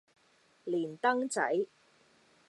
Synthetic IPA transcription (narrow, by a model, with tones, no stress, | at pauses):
liː˨˩nt̪ɐ˥ŋt͡sɐ˨˥j